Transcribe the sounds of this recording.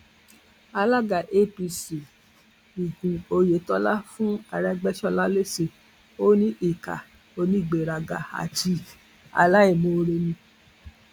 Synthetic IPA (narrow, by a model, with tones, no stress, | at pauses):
a˧la˦ɡa˨ʔe˦pi˧si˨ | i˨ɡũ˨o˧je˨˦tɔ˧˦la˦fũ˦a˧ɾɛ˧ɡ͡bɛ˦ʃɔ˧la˦le˦si˨ | o˦nĩ˦ʔi˦˨ka̰˨ | o˧˦nĩ˦i˦˨ɡ͡be˨ɾa˨ɡa˨a̰˨ti˧ | a̰˧la˦i˨mõ˧ɾe˧nĩ˧